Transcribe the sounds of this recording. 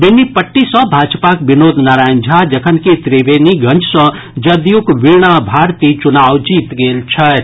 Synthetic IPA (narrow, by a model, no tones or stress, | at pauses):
benːipəʈːisə̃bʱaːd͡ʒpakbinod̪ʱnaɾajnd͡ʒʱad͡ʒəkʰənket̪ɾebeniɡʱə̃nd͡ʒsʌ̃ | d͡ʒəd̪jukʋiɾɳ̃abʱaɾt̪it͡ʃunawd͡ʒit̪ɡelt͡ʃʰɐt̪